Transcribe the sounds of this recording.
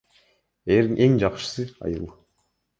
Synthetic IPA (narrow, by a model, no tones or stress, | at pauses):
eɾiŋʔe̞ŋd͡ʒɑqʃɯ̥sɯɑ̰jɯlˠ